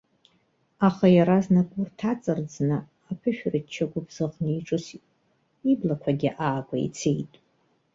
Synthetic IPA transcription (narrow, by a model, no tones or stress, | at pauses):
aχajaɾaznakʷʼʊrtʰat͡sʼɨrd͡znɨ | apʰɨʃᶣrɨt͡ʃʰaɡʷʼʊbz̥ɨʁnijʈ͡ʂʼɨsitʼ | iblakʷʰaɡʲḭʔaːɡʷʼa̰ḭt͡sʰejtʼ